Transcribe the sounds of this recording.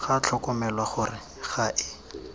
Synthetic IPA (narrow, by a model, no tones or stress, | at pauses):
χat͡ɬʰɔkɔmɛlwaχʊrɪ | χaʔɪ